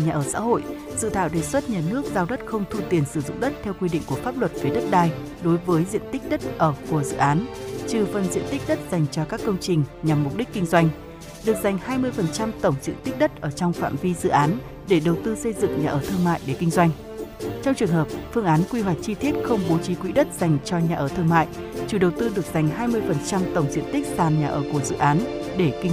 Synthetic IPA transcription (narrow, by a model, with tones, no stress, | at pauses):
ɲaː˨˩ʔəː˧˩sa̰ː˧˥ɦo̰˧˨j | zɨ̰˧˨t̪ʰa̰ː˧˨wɗe˨˩swə˦˥t̚ɲaː˨˩nɨ˦˥ək̚zaː˧wɗə˦˥t̚xə˧wŋ͡mt̪ʰu˧t̪i˨˩ənsɨ˧˩zʊ̰˧˨ŋ͡mɗə˦˥t̚t̪ʰɛ˧wkwi˧ɗḭ̈˧˨ŋ̟ku˧˩əfaː˦˥p̚lwə˨˩t̚fi˨˦ɗə˦˥t̚ɗaː˧j | ɗo˨˦jvəː˨˦jzḭ˧˨ənt̪ï˦˥k̟̚ɗə˦˥t̚ʔəː˧˩ku˨˧˩əzɨ̰˧˨ʔaː˨˦nt͡ɕɨ˨˩fə˨˩nzḭ˧˨ənt̪i˦˥k̟̚ɗə˦˥t̚za˨˩jŋ̟t͡ɕɔ˧kaː˦˥kːə˧wŋ͡mt͡ɕï˨˩ŋ̟ɲa˨˩mːʊ˨˩k͡p̚ɗi˦˥k̟̚kːï˧ŋ̟zwa˧jŋ̟ | ɗɨ˨˩ək̚z̥a˨˩jŋ̟haː˧jmɨ˧əjfə˨˩nt͡ɕa˧mt̪ə˧˩wŋ͡mzḭ˧ət̪i̟˦˥ɗə˦˥t̚ʔəː˧˩t͡ɕɔ˧wŋ͡mfa̰ː˧˨mvi˧zɨ̰˧˨ʔaː˨˦n | ɗe˧˩ɗə˨˩wt̪ɨ˧sə˧jzɨ̰˧˨ŋɲaː˨˩ʔəː˧˩t̪ʰɨ˧əŋma̰ː˧˨jɗe˧˩kï˧ŋ̟zwa˧jŋ̟ | t͡ɕɔ˧wŋ͡mt͡ɕɨ˨˩əŋhɦəː˨˩p̚fɨ˧əŋʔaː˨˦nkwi˧ɦwa˨˩jk̚t͡ɕi˧t̪i˦˥ət̚xə˧wŋ͡mɓo˨˦t͡ɕi˨˦kwḭ˧˥ɗə˦˥t̚z̥a˨˩jŋ̟t͡ɕɔ˧ɲaː˨˩ʔəː˧˩t̪ʰɨ˧əŋma̰ː˧˨j | t͡ɕu˧˩ɗə˨˩wt̪ɨ˧ɗɨ˨˩ək̚z̥a˨˩jŋ̟ɦaː˧jmɨ˧əjfə˨˩nt͡ɕa˧mt̪ə˧˩wŋ͡mzḭ˧˨ənt̪i˦˥k̚t̪aː˨˩nɲaː˨˩ʔəː˧˩ku˧˩əzɨ̰˧˨ʔaː˨˦nɗe˧˩ki˧ŋ